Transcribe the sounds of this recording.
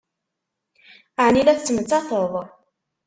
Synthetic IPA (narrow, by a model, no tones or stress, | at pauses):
aʕnilæθt͡sːəmət͡sːɑθəðˤ